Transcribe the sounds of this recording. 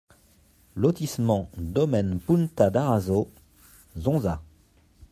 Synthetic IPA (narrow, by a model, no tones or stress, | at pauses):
lɔt̪ismɑ̃d̪ɔmɛnpunt̪ad̪aʁazo | zɔ̃za